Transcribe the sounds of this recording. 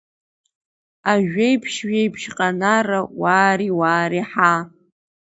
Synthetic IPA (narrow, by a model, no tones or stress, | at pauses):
aʒᶣejpʰʃɥejpʰʃqʼanarawaːɾiwaːɾiħa